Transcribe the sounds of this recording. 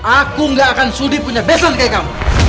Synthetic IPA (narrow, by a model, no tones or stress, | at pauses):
akʊŋɡaːkansʊdipʊɲabesankajkam